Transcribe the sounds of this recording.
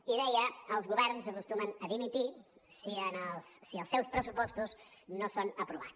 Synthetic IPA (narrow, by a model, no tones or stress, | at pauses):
iðɛjəəlˠzɣuβɛɾnzəkust̪umənəðimit̪isiənəlˠsːiəlˠsɛwspɾəsupɔst̪uznosonəpɾuβa̰t͡s